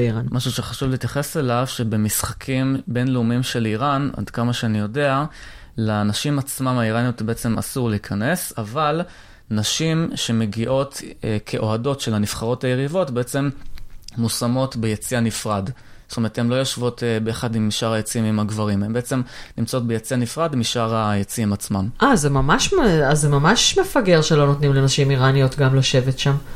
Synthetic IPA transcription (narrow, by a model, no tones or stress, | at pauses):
iʁanmaʃuʃeχaʃuvliːtjaχe̞se̞lavʃe̞bemisχakʰimbe̞nleumimʃe̞liʁana̰dkamaʃeanijo̞de̞alanaʃimat͡smamaiʁanijotbeet͡se̞ma̰suʁleikʰane̞saval | naʃimʃe̞me̞ɡiʔo̞tkʰe̞ʔo̞ado̞tʃe̞laniv̥χaʁo̞thaje̞ʁivo̞tbe̞et͡se̞mmusamo̞tbejet͡sianifʁadst̪ome̞ʁthemlo̞jo̞ʃvo̞tbejaχadimiʃaʁajet͡siimimaɡvaʁimhembeet͡se̞mnimt͡sao̞t̚bejet͡sianifʁadmiʃaʁajet͡siimat͡smamʔazemamaʃmeazemamaʃmefaɡe̞ʁʃelo̞not̪nimlenaʃimiʁanijotɡamloʃe̞vetʃam